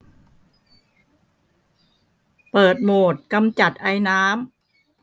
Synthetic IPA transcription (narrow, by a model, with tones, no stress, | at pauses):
pɤː˨˩t̪̚moː˨˩t̪̚ka˧mt͡ɕa˨˩t̪̚ʔa˧jnaː˦˥m